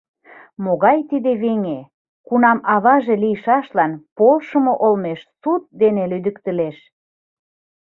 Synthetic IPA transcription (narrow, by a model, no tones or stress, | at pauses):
moɣɑjt̪id̪eβeŋe | kunɑmɑβɑʒelijʃɑʃlɑnpolʃə̆moʔolmeʃsut̪̚d̪enelyd̪əkt̪əleʃ